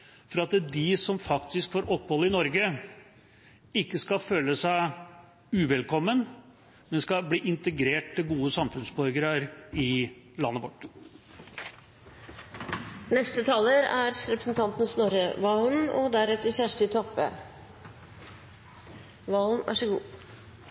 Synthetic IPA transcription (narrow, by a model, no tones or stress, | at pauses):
fɔɾɑt̪d̪ɪsɔmfɑkt̪ɪskfɔɾʔɔpːhɔlːəɪnɔɾɡə | ɪkːəskɑføːləsæɪ | ʉːʋɛlkʰɔmːən | mɛnskɑbliːʔɪnt̪əɡɾeːʈ̚t̪ɪlɡuːəsɑmfʉnsbɔɾɡəɾəɾɪ | lɑnːəʋɔʈː | nɛst̪ət̪ʰɑːləɾæɾɾɛpɾəsn̩t̪ʰɑnt̪n̩snɔɾəʋɑːlnɔ̰d̪æɾɛt̪ːəçæʂʈət̪ʰɔpːə̰ | ʋɑːln̩ʔæ̰ʂɔɡṵː